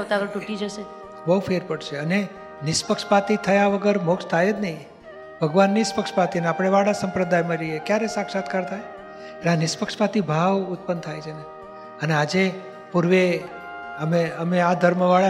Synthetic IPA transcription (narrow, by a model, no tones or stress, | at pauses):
t̪aʋʈuʈid͡ʒəʃe | bəɦufeɾpəɽʃeəne | nɪspəkʃpat̪it̪ʰəjaʋəɡəɾmokʃt̪ʰajed͡ʒ̪nəĩ | bʱəɡʋanːispəkʃpat̪iəneapəɽ̃eʋaɽasəmpɾəd̪ajməɾiekjaɾesakʃat̪kaɾt̪ʰaje | elanɪspəkʂpat̪ibʱaʋʊt̪̚pənt̪ʰajt͡ʃʰene | ənead͡ʒe | puɾʋe | əmeəmead̪ʱəɾməʋaɭa